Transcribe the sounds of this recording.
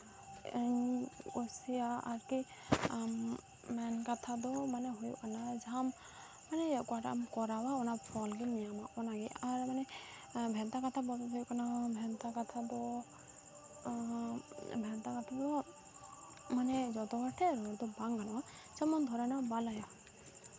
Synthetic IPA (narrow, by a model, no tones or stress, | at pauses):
ɔsijaa̰ɾki | mɛnkat̪ʰad̪ɔmanɛɦɔjṵʔkanad͡ʒamː | anɛɛkɔaʈa̰mkɔɾawaɔnapʰɔlɡɛnijamaʔɔnaɡɛaɾmanɛ | bʱɛnt̪akat̪ʰabɔt̪ɔɔjuʔkanabʱɛnt̪akat̪ʰad̪ɔ | bʱɛnt̪akat̪ʰadɔ | manɛd͡ʒɔt̪ɔbaʈʰɛɾɔɾd̪ɔbaŋɡanawa | d͡ʒamɔnd̪ʱɔɾanabalaja